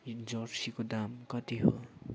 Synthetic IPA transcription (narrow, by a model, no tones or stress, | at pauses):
d͡zʌrsikod̪amkʌt̪iɦo̰